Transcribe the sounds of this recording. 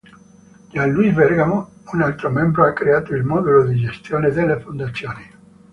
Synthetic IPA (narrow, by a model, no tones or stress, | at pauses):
d͡ʒalːuizbɛrɡamounalt̪ɾomɛmbɾoakːɾeaːt̪oilmɔd̪ulod̪id͡ʒest̪joːned̪elːefond̪at̪sːjoːni